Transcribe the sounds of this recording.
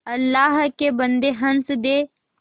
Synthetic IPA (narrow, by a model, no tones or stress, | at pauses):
ɐlːaːɦkebənd̪eɦɐnsd̪eː